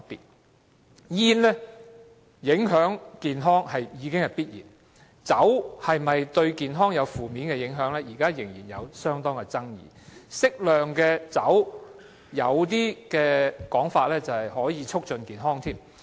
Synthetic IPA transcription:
ɐ˨t̚pḭ˨t̚ | jiː˧˥nlɛ˥ | jɪ˨˥ŋɦœː˨˥ŋkiː˨nɦɔː˥ŋhɐ˨jjiː˨˧˥kɪ˥ŋhɐ˨˩jpiː˥t̚jḭː˨˩n | t͡sɐ˨˥whɐ˨jmɐ˨jt̪ɵ˧ɥkiː˨nɦɔː˥ŋjɐ˨˧wfuː˨˩miː˨˥nkɛ˧jɪ˨˥ŋɦœː˨˥ŋlɛː˥jiː˨˩kaː˥jɪ˨˩ŋjiː˨˩njɐ̰˨˧wsœː˥ŋt̪ɔː˥ŋkɛ˧t͡sɐ˥ŋjḭː˨˩sɪ˥k̚lœː˨˩ŋkɛː˧t͡sɐ̰˨˥w | jɐ̰˨˧wt̪iː˥kɛː˧kɔː˨˥ŋfaː˧t̚lɛː˥t͡sɐ˨hɐ˨jɦɔː˨˥jiː˨˧t͡ʃʰʊ˥k̚t͡ʃɵ˨˧nkiː˨nɦɔː˥ŋt̪ʰiː˥m

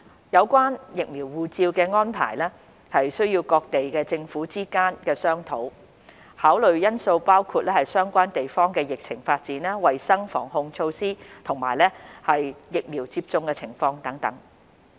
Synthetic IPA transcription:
jɐ˨˧wkʷaː˥njɪ˨k̚miː˨˩wwuː˨˧t͡siː˧wkɛː˧ŋɔː˥npʰa̰ː˨˩jlɛ˥ | hɐ˨jsɵ˥ɥjiː˧wkɔː˧k̚t̪e˨jkɛː˧t͡sɪ˧ŋfuː˨˥t͡siː˥kaː˥nkɛː˧sœː˥ŋt̪ʰo˨˥w | haː˨˥wlɵ˨ɥjɐ˥nso˧wpaː˥wkʰuː˧t̚lɛː˥hɐ˨jsœː˥ŋkʷaː˥nt̪e˨jfɔː˥ŋkɛː˧jɪ˨k̚t͡sʰɪ˨˩ŋfaː˧t̚t͡siː˨˥nɛ˥wɐ˨jsɐ˥ŋfɔ̰ː˨˩ŋɦʊ˧ŋt͡ʃʰo˧wsiː˥t̪ʰʊ˨˩ŋma̰ː˨˩jlɛː˥hɐ˨jjɪ˨k̚miː˨˩wt͡siː˧p̚t͡sʊ˧ŋkɛː˧t͡sʰɪ˨˩ŋfɔː˧ŋt̪ɐ˨˥ŋt̪ɐ̰˨˥ŋ

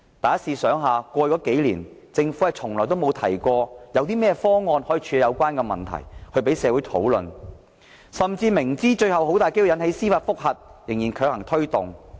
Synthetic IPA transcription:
t̪aː˨jɐ˥siː˧sœː˨˥ŋɦaː˨kʷɔː˧jɔː˨˥ke˨˥jlḭː˨˩n | t͡sɪ˧ŋfu˨˥ɐ˨t͡sʰʊ˨˩ŋlɔː˨˩jt̪o˥wmo˨˧wt̪ʰɐ˨˩jkʷɔː˧jɐ˨˧wt̪iː˥mɛː˥ɛfɔː˥ŋɔː˧nhoː˨˥ji˨t͡ʃʰyː˨˧˨jɐ˨˧wkʷaː˥nkɛː˧mɐ̰˨nt̪ʰɐ̰˨˩jhɵ˧ɥpe˨˥jsɛː˨˧˥wu˨˥jt̪ʰo̰˨˥wlɵ̰˨n | sɐ˨mt͡siː˧mɪ˨˩ŋt͡siː˥t͡ʃɵ˧ɥhɐ˨who˨˥wt̪aː˨˩jke˥jwjɐ˨˥nhe˨˥jsiː˥faː˧t̚fʊ˥k̚hɐ˨t̚jɪ˨˩ŋjiː˨˩kʰœː˧˥k̚hɐ˨˩ŋt̪ʰɵ˥ɥt̪ʊ˨ŋ

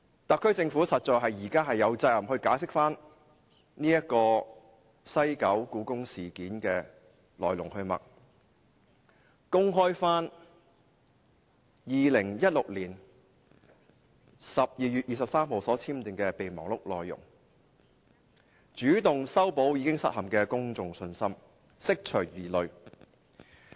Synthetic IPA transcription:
t̪ɐ˨kʰːɵ˥ɥt͡sɪ˧ŋfuː˨˥sɐ˨t̚t͡ʃɔː˨˩jɦɐ˨jjiː˨˩kaː˥ɦɐ˨jːɐ˨˧wt͡sɐ˧jlɐ˨mhɵ˧ɥkaː˨˥jsɪ˥k̚faː˥n | niː˥jɐ˥t̚kɔː˧ | sɐ˥jkɐ˨˥wkuː˨˥kʊ˥ŋsiː˨˩kiː˨˥nkɛː˧ | lɔː˨˩jlʊ̰˨˩ŋhɵ˧ɥmɐ̰˨˩k̚ | kʊ˥ŋɦɔː˥jfaː˥n | jiː˨lɪ˨˩ŋjɐ˥t̚lʊ˨k̚liː˨˩n | sɐ˨p̚jiː˨jyː˨t̚jiː˨˧sɐ˨p̚saː˥mho˨wsɔː˨˥t͡sʰiː˥mt̪ɪ˨˩ŋkɛː˧pe˨jmɔ̰ː˨˩ŋlʊ˥k̚lɔː˨jːʊ̰˨˩ŋ | t͡ʃyː˨˥t̪ʊ˨ŋsɐ˥wpo˨˥wjiː˨˧˥kɪ˥ŋsɐ˥t̚hɐ˨˩mkɛː˧kʊ˥ŋt͡sʊ˨ŋsɵ˧nsɐ˥m | sɪ˥k̚t͡ʃʰɵ˨˩jiː˨˩lɵ˨ɥ

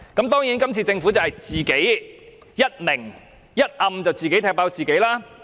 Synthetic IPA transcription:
kɐ˨˥mt̪ɔː˥ŋji˨˥nkɐ˥mt͡sʰiː˧t͡sɪ˧ŋfu˨˥t͡sɐ˨whɐ˨˩jt͡siː˨ke˨˥j | jɐ˥t̚mɪ˨˩ŋ | jɐ˥t̚ʔɐ˧mt͡sɐ˨wt͡siː˨ke˨˥jt̪ʰɛː˧˥paː˨˥wt͡siː˨˩ke˨˥jlaː˥

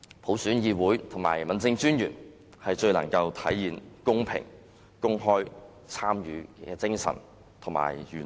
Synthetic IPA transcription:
pʰo˨˥wsyː˨˥njiː˧wuː˨˥jt̪ʰʊ˨˩ŋma̰ː˨˩jmɐ˨˥nt͡sɪ˧ŋt͡ʃyː˥njyː˨˩n | hɐ˨jt͡ʃɵ˧ɥlɐ̰˨˩ŋkɐ˧wt̪ʰɐ˨˥jːiː˨nkʊ˥ŋpʰɪ̰˨˩ŋ | kʊ˥ŋɦɔː˥j | t͡sʰaː˥mjyː˨˧kɛː˧t͡sɪ˥ŋsɐ̰˨˩n | t̪ʰŋma̰ː˨˩jjyː˨˩

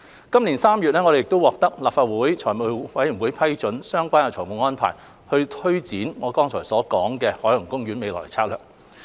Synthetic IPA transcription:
kɐ˥mliː˨˩nsaː˥mjyː˨t̚nɛː˥ŋɔː˨˧ɾe˨jɪ˨k̚t̪o˥wɔː˨k̚t̪ɐ˥k̚laː˨pfaː˧t̚wuː˨˥jt͡ʃʰɔː˨˩jmu˨˧wɐ˨˥jy˨˩wuː˨˥jpʰɐ˥jt͡ʃɵ˨˥nsœː˥ŋkʷaː˥naː˧˩t͡sʰɔː˨˩mu˨˩ŋɔː˥npʰa̰ː˨˩j | hɵ˧ɥt̪ʰɵ˥ɥt͡siː˨˥nŋɔː˨˧˥kɔː˥ŋt͡sʰɔː˨˩jsɔː˨˥kɔː˨˥ŋkɛː˧hɔː˨˥jɐ˨˩ŋkʊ˥ŋɥyː˨˥nme˨˧jlɔ̰ː˨˩jt͡sʰaː˧k̚lœː˨k̚

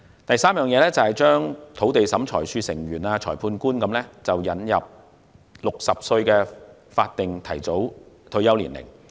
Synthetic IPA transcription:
t̪ɐ˨jsaː˥mjœː˨ŋjɛː˨˧lɛː˥t͡sɐ˨hɐ˨jt͡ʃœː˥ŋt̪ʰo˨˥wt̪e˨jsɐ˨˥mt͡ʃʰɔ̰ː˨˩jsyː˧sɪ˨˩ŋɥyː˨˩naː˧t͡ʃʰɔː˨˩jpʰuː˧nkuː˥nkɐ˨˥mlɛː˥t͡sɐ˨wjɐ˨˥njɐ˨p̚ | lʊ˨k̚sɐ˨p̚sɵ˧ɥkɛː˧faː˧t̚t̪ɪ˨ŋt̪ʰɐ˨˩jt͡so˨˥wt̪ʰɵ˧ɥjɐ˥wlḭː˨˩nlɪ̰˨˩ŋ

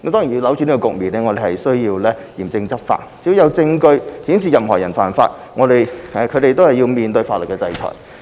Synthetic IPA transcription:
kɐ˨˥mt̪ɔː˥ŋjji˧lɐ˨˥wt͡ʃyː˨˧niː˥kɔ˧kʊ˨k̚miː˨˩nɛː˥ŋɔ˨˧ɾe˨˩hɐ˨˩jsɵ˥ɥjiː˧wlɛː˥jiː˨˩mt͡sɪ˧ŋt͡sɐ˥p̚fa̰˧t̚t͡siː˨˥wjɐ˨˧wt͡sɪ˧ŋkɵ˧ɥhiː˨˥ns̬iː˨jɐ˨mɦɔː˨˩jɐ˨˩nfaː˨nfa̰ː˧t̚ | ŋɔː˨˧ɾe˨˩jkʰɵ˨˧ɥɾe˨jt̪o˥whɐ˨jːiː˧wmiː˨nt̪ɵ˧ɥfaː˧tlə˨t̚kːɛː˧t͡sɐ˧jt͡ʃʰɔ̰˨˩j

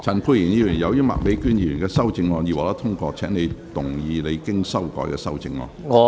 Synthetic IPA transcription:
t͡sʰɐ˨˩npʰuː˧jiː˨˩njiː˧˩y˨˩jɐ˨˧wjyː˥mɐ̰˨k̚me˨˥jkyː˥˩njiː˧ɥyː˨˩nkɛː˧sɐ˥wt͡sɪ˧ŋɔː˧njiː˨˧waː˨˩lɐ˥t̪ʰʊ˥ŋkɔː˧t͡sʰɛː˨˥ŋne˨˧jt̪ʊ˨˩ŋjiː˨˧le˨˧jkɪ˥ŋsɐ˥wkɔ̰ː˨˥jkɛː˧sɐ˥wt͡sɪ˨˧ŋːɔ̰˧nŋɔ˨˧

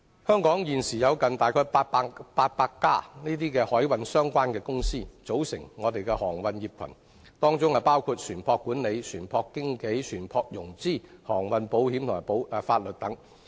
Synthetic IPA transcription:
hœː˥ŋkɔː˨˥ŋjiː˨˩nsiː˨˩jɐ˨˧wkɐ˨nt̪aː˨˩jkʰɔː˧˥jpa˧paː˧t̚paː˧kːaː˥niː˥t̪iː˥kɛː˧hɔː˨˥jwɐ˨nsœː˥ŋkʷaː˥nkɛː˧kʊ˥ŋsiː˥t͡so˨˥wsɪ˨˩ŋːɔː˨˧t̪e˨jkɛː˧hɔː˨˩ŋwɐ˨njiː˨p̚kʰɐ̰˨˩n | t̪ɔː˥ŋt͡sʊ˥ŋa˧paː˥wkʰuː˧t̚sʰyː˨˩npʰɔː˧kːuː˨˥nle˨˧jsʰyː˨˩npʰɔː˧kːɪ˥ŋke˨˥jsʰyː˨˩npʰɔː˧k̚jʊ˨˩ŋt͡siː˥hɔː˨˩ŋwɐ˨˧npo˨˥whiː˨˥mt̪ʰʊ˨˩maː˨˩o˨˥wfaː˧t̚lɵ˨t̚t̪ɐ˨˥ŋ

